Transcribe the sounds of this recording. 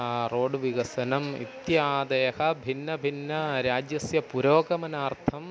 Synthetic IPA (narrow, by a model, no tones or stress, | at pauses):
roːɖʋiɡɐsɐnɐmḭt̪jaːd̪ɐjɐhɐbʱinːɐbʱinːɐɾaːd͡ʒjɐsjɐpuɾoːɡɐmɐnaːɾt̪ʰɐm